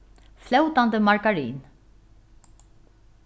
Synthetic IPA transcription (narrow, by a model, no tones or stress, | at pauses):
flɛwt̪and̪əmaɹkaɾḭːn